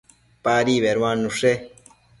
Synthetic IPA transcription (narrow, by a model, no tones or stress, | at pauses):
paːɾiβeɾwãːnuʂe